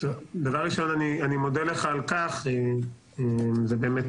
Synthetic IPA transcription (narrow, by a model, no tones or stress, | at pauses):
tovd̪avaʁːiʃo̞nanianimo̞d̪eleχaːlkaχe | emzebeːmet